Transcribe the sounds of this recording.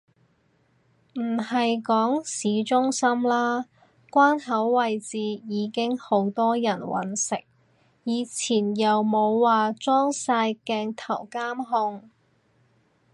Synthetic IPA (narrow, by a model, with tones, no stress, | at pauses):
m̩˨˩hɐ˨jkɔː˨˥ŋsiː˨˥t͡sʊ˥ŋsɐ˥mlaː˥ | kʷaː˥nɦɐ˨˥wːɐ˨jt͡siː˨jiː˨˧kɪ˥ŋho˨˥wt̪ɔː˥jɐ˨˩nwɐ̰˨˥nsɪ˨k̚ | jiː˨˧t͡sʰiː˨˩njɐ˨wmo˨˧wːaː˨t͡sɔː˥ŋsaː˧jkɛː˧ŋt̪ʰɐ˨˩wkaː˥mɦʊ˧ŋ